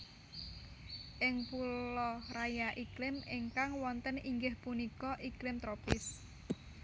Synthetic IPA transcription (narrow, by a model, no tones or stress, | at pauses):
ʔɪŋpulɔrajaʔiklɪmiŋkaŋwɔnt̪əniŋɡɪhpunikɔʔiklɪmt̪ɾopɪs